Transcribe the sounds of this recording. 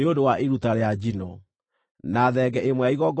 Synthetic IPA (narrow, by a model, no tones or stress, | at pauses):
eodowaʔeɾutaɾead͡ʒinɔ | naðɛɡɛʔemwɛaiɣɔɡ